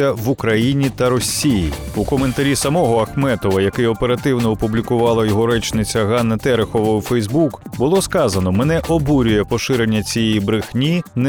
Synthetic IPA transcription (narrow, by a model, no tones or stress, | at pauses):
ɐʋʊkɾɐjinʲit̪ɐɾɔsʲːijḭ | ukɔme̞nt̪ɐɾʲisɐmɔɦɔɐxmɛt̪ɔʋɐjɐkɛjɔpeɾɐt̪ɪwnɔɔpublʲikʊʋɑlˠɐjɔɦɔɾɛt͡ʃnɪt͡sʲɐɦɑnːɐt̪ɛɾexɔʋɐwfɛjzbukbʊlˠɔskɑzɐnɔmɛnɛʔɔbuɾʲʊjɛpɔʃɪɾe̞nʲːɐt͡sʲijɛjibɾɪxnʲin